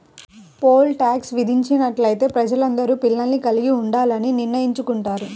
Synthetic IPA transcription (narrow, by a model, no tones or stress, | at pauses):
po̞ːlʈaːksʋid̪ʱiɲt͡ʃinɐʈlɐjt̪e̞ːpɾɐd͡ʒɐlɐnd̪ɐɾuːpilːɐlːikɐliɡiuɳɖaːlɐniniːɐjiɲt͡ʃukuɳʈaːɾu